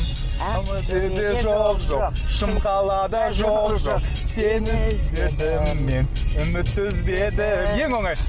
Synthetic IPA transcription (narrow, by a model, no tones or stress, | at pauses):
t̪ed̪eʒoqʒoqʃəmqɑlˠɑd̪ɑʒoqʒoq | senɪŋzd̪eɾd̪ɪɪmen | ʏmɪt̪ːɪzbed̪ɪje̞ŋwo̞ɴɑj